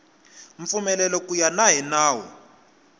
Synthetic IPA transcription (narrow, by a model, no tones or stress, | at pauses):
ɱ̩fumɛlɛlɔkʼujanaɦɛnaːwɔ̰